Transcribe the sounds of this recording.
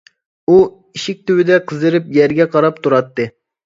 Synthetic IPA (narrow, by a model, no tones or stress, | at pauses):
u | iʃɪk̚ʲt̪ʰywɪd̪ɛqʰəzɨɾɪpjɛɾɡʲɛqʰɑɾɑp̚t̪ʰuɾɑt̪ːɨ